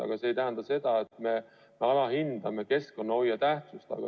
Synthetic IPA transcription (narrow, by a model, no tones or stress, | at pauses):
ɑ̰ɡ̥ɑse̞ːjt̪æɦænd̪̥ɑse̞d̪̥ɑet̪me̞ | meɑlɑhind̪̥ɑme̞ke̞sko̞nːɑojːɑt̪æht̪sust̪ɑ̰ɡ̥ɑ̰